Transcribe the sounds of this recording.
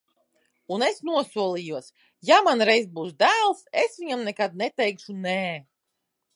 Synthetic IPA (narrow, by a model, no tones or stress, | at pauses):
unesnuɔsuɔlˠijuɔs | jamanɾɛjzbuːsd̪æːlˠsesvʲiɲamnɛkad̪̚nɛt̪ɛjkʃunɛː